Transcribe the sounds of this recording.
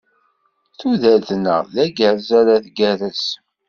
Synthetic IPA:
θuðælθnə̰ʁðæɡəɾzaɾaðɡæɾəs

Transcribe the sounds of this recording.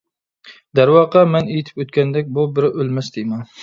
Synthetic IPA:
d̪æɾwɑqɑmɛnejit̪ʰɪ̥pøt̪kʲɛnd̪ɛkʲbubɪɾʔølmɛsd̪ɪmɛn

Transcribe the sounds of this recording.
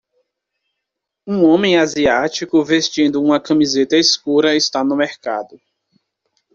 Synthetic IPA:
ũõmẽj̃aziat͡ʃikʊvest͡ʃĩnd̪ʊũmɐkɐ̃mizet̪ɐeskuɾɐɪst̪anʊmeɾka̰d̪ʊ

